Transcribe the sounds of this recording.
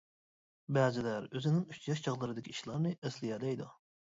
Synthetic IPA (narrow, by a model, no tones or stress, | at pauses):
bæːzɪlæɾøzɪnɪŋyt͡ʃjɑʃt͡ʃʰɑʁlˠɨɾɨd̪ɪkʲʰiiʃlˠɑɾnɨɛslɪjɛlɛjd̪u